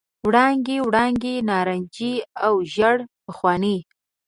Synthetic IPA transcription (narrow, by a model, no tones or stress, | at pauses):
wɽɑŋɡewɽɑŋɡenɑɾand͡ʒiawʒaɽpəxwɑnə